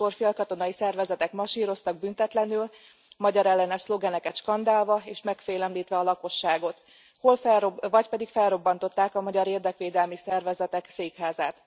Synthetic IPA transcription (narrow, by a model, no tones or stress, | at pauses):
orfiɒlkɒt̪o̞nɒjisɛrvɛzɛt̪ɛkmɒʃiːɾo̞st̪ɒɡ̚bynt̪ɛt̪lɛnyl | mɒɟɒɾɛlːɛnɛʃslo̞ɡɛnɛkɛt̪ʃkɒnd̪aːlvɒeːʃmɛkfeːlɛmliːt̪ʋɛɒlɒko̞ʃːaːɡo̞t̪ | ho̞lfɛvɒcpɛd̪ikfɛlro̞bːɒnt̪o̞t̪ːaːkɒmɒɟɒɾeːrd̪ɛkʋeːd̪ɛlmisɛrvɛzɛt̪ɛkseːkhaːzaːt̪